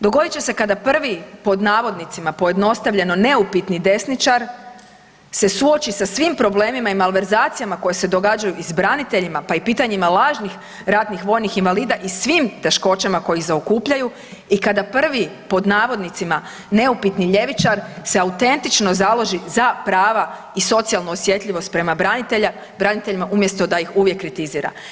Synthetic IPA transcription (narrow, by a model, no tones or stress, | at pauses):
d̪o̞ɡo̞d̪it͡ɕe̞se̞kad̪apr̩ʋipo̞d̪naːʋo̞d̪nit̪simapo̞je̞d̪no̞st̪aʋʎʲe̞no̞ne̞upit̪nid̪e̞snit͡ʃaɾ | se̞suo̞t͡ɕisasʋimpɾo̞ble̞ːmimaimalˠʋe̞ɾzaːt̪sijamako̞jese̞d̪o̞ɡad͡ʑajuizbɾanit̪e̞ʎimapaipiːt̪aɲimalˠaːʒnix | ɾat̪nixʋo̞ːjnixinʋaliːd̪aʔisʋiːmt̪e̞ʃko̞t͡ɕamako̞jizaokuːpʎaju | ikad̪apr̩ʋipo̞d̪naːʋo̞d̪nit̪sima | ne̞upit̪niʎe̞ʋit͡ʃaɾse̞aut̪e̞nt̪it͡ʃno̞zalˠo̞ʒizapɾaːʋa | iso̞t̪sialˠnoosje̞t̪ʎʲiʋo̞st̪̚pɾe̞mabɾanit̪ea | bɾanit̪eʎimaʔumje̞st̪o̞d̪ajixuʋjekːɾit̪iziːɾa̰